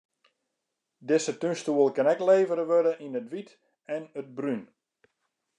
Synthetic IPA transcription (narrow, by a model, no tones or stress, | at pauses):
dɪsətynstuəlˠkɛnɛkleːvəɾəʋødəʔinətʋit | ɛnət̚bryn